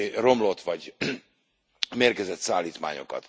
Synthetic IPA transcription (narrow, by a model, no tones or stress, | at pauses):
ro̞mlo̞t̪ʋɒɟ | meːrkɛzɛt̪saːlːiːt̪ma̰ːɲo̞̰kɒ̰t̪